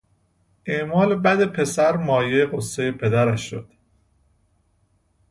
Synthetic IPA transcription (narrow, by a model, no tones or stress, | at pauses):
ʔeʔmɒːlebæd̪epʰe̞sæɾmɒːjejeɣosːejepʰe̞d̪æɾæʃːod̪̥